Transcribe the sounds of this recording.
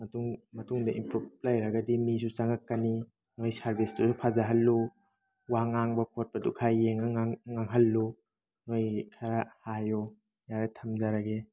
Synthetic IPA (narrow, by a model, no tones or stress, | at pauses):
mɐtuŋmɐtuŋdɐimpɾup̚lajɾɐɡɐdimis̬ut͡ʃaŋakːani | nojsaɾbistusupʰazaɦɐlːu | waŋaŋbɐkʰot̚pɐdukʰajːeŋaŋŋaŋɦɐlːu | nojkʰaɾahajɔ | jaɾetʰɐmzaɾaɡe